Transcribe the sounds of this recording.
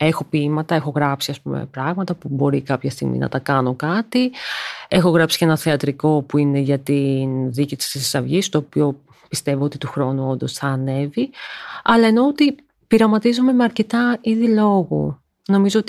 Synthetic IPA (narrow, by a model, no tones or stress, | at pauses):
e̞xo̞pimɐt̪ɐe̞xo̞ɣɾɐpsiɐspume̞̰pɾɐɣmɐt̪ɐpubo̞ɾikɐpçɐst̪ḭɣmḭnʔɐ̰t̪ɐkɐno̞kɐt̪i | e̞xo̞ɣɾɐpsi̥cenɐθeɐt̪ɾiko̞puine̞ʝɐt̪inðicit̪i̥ssisɐvʝist̪o̞ːpio̞ | pist̪e̞voo̞t̪it̪uxɾo̞nuo̞nd̪o̞sθɐːne̞viɐlɐe̞no̞ot̪i | piɾɐmɐt̪izome̞meɐɾce̞t̪ɐiðilo̞ɣṵ | no̞mizoot̪